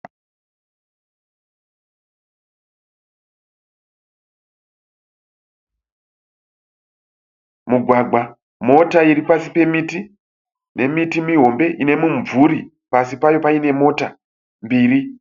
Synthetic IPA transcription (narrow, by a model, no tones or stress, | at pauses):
muɡʱwaɡa | mo̞taiɾipasipe̞miti | ne̞mitimiɦo̞mbe̞ʔine̞muɱvuɾi | pasipajo̞paine̞mo̞ta | mbiːɾi